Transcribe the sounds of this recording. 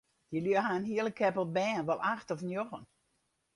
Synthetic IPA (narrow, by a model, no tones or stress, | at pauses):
jəlyəɦaənɦiəlˠəkʰːɛpəlˠbɛːnʋɔlˠʔaxtɔfnjoxən